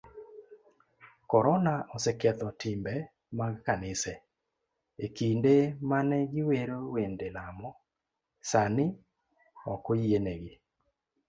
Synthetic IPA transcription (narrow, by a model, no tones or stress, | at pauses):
kɔɾɔnaʔosekɛðɔtimbɛ | maɣkanesɛ | ekindemanɛɣiweɾowendelamɔ | sanɪ | ɔkoieneɣe